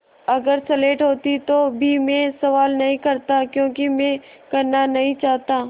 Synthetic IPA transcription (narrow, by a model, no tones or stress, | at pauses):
ɐɡəɾsɛleːʈɦoːt̪it̪obʱimẽsɐʋaːlnɐɦĩkɐɾt̪akjõːkimẽ | kɐɾnanɐɦĩt͡ʃaːɦt̪aː